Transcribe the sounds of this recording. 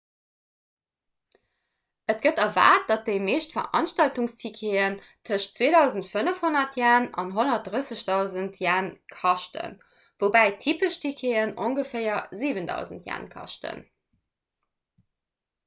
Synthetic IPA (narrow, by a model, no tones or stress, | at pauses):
ət̚ɡ̥ətɐva̰ːt̚d̥ɑt̚d̥eɪmeːʃtfɐ̰ʁʔɑ̰nʃtɑltuŋstʰikʰeən | tʰəʃt͡sweːdɑʊzəntfənəfhonɐtʰjaːnɑ̰nɦonɐt̚d̥ʁəsəɕd̥ɑʊzəntʰjaːnkʰɑʃtə̰n | vobæɪtʰiːpəʃtʰikʰeːənʔoŋɡəfɜɪɐziːvəndɑ̰ʊzəntʰja̰ːnkʰɑ̰ʃtʰə̰n